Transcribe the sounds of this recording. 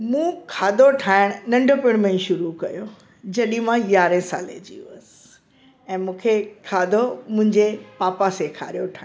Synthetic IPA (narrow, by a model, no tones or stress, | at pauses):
mũːkʰaːd̪ʱoʈʰaːɪɽ̃nɐ̃ɳɖʱopɪɽ̃mẽʃʊɾukɐjo | d͡ʑɐɗĩmãjaːɾẽsa̰ːlḛd͡ʑḭːṵəsɪ̥ | ɛ̃ːmũːkʰekʰaːd̪ʱomʊ̃ɦɪ̃ɲd͡ʑepaːpasekʰa̰ːɾijoʈʰãː